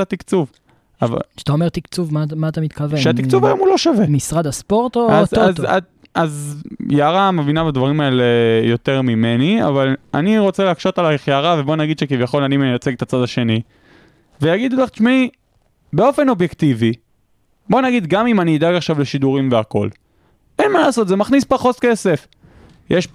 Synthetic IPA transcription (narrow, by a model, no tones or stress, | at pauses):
at̪ikt͡suv | ava̰̥t̪aomeʁt̪ikt͡suvmamaːt̪amit̪kaveʃeat̪ikt͡suvajomulo̞ʃavemisʁad̪aspoʁt̪oazaza | ʔazjaaʁamevinabadvaʁimae̞lejo̞t̪eʁmime̞nia̰vala̰niʁo̞t͡seleakʃo̞talaχjaːʁave̞bo̞naɡid̪ʃekivjaχo̞lanimejot͡seɡt̪at͡sad̪aʃe̞ni | vejaɡid̪uleχt͡ʃmi | beo̞fe̞no̞bjekt̪ivi | bo̞naɡid̪ɡamimaniːd̪aɡaχʃavle̞ʃid̪uʁimveako̞̰l | e̞nmalaːso̞t̪eze̞maχnispaχotke̞se̞f | jeʃ